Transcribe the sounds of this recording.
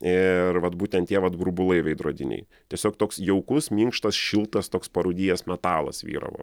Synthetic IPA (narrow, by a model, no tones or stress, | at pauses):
ɪɾʋɐt̪buːt̪ʲɛnt̪ʲiɛʋɐt̪ɡɾʊbʊlˠɐɪʋʲɐɪd̪ɾo̰ːd̪ʲɪnʲɛ̰ɪ | t̪ʲiɛsʲoːkt̪oːksjɛʊkʊsmʲiŋkʃt̪ɐsʃʲɪlˠt̪ɐst̪oːkspɐɾuːd̪ʲiːjɛsmʲɛt̪ɑːlˠɐ̰sʋʲḭːɾɐ̰ʋo̰ː